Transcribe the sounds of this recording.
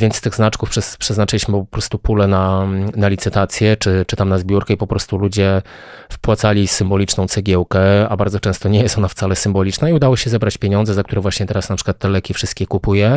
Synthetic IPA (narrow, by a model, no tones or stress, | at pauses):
vʲjɛnt̪st̪ɘɣznat͡ʂkufpʂɛspʂɛznat͡ʂɘlʲiɕmɘpɔpɾɔst̪upulɛnanalʲit̪sɘt̪at̪sʲjɛt͡ʂɘt͡ʂɘt̪amnazbʲjuɾkɛipɔpɾɔst̪ulud͡ʑɛ | fpwat̪salʲisɘmbɔlʲit͡ʂnɔ̃w̪̃sɛɡʲjɛwkɛa̰baɾd̪zɔt͡ʂɛ̃st̪ɔɲɛjɛst̪ɔnaft̪salɛsɘmbɔlʲit͡ʂnaiud̪awɔɕɛzɛbɾat͡ɕpʲjeɲɔ̃nzɛzak̚t̪uɾɛvwaɕɲɛt̪ɛɾasnapʂɘ̥kwat̪ːɛlɛkʲifʂɘst̪̚kʲɛkupujɛ